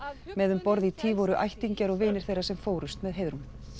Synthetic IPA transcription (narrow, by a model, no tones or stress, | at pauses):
mɛðʏmpɔɾðit̪ʰiːvɔɾʏʔa̰jht̪iɲcaɾɔɣvɪːnɪɾ̥θejɾasɛmfoːwɾʏst̪mɛðɦeːjðɾum